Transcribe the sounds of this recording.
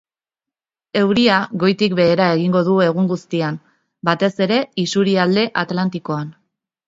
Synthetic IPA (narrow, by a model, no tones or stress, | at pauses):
e̞wɾiaɣo̞jt̪ikbe̞ːɾae̞ɣiŋɡo̞ðue̞ɣ̞uŋɡust̪iam | bat̪e̞se̞ɾe̞isuɾiald̪e̞ʔat̪lant̪iko̞an